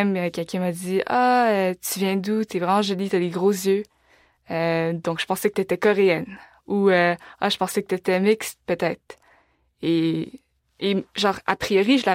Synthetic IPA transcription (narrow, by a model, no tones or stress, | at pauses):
mkʲɛlkʲɛ̃mad̪iaøt̪yvjɛ̃d̪ut̪ɛvʁɛmɑ̃ʒɔlit̪yad̪eɡʁozjø | ød̪ɔ̃kʒə̥pɑ̃sɛkət̪yet̪ɛkɔʁeɛn | uøaʒə̥pɑ̃sɛkət̪yet̪ɛmɪkst̪̚pøt̪ɛːt̪χ | e | eʒɑ̃ːʁa̰pχijɔʁiʒəla